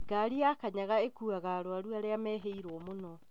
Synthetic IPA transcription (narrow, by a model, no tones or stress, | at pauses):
ɡaɾiakaɲaɣaekuaɣaɾoaɾuaɾeamɛɦeiɾɔmonɔ